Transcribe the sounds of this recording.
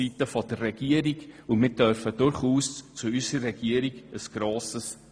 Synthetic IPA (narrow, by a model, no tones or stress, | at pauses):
itəfodərɛɡiəɾikʊnmɪt̚d̥œrfədʊrχuːst͡suysərɛɡ̥iəɾikəsɡ̥roːsəs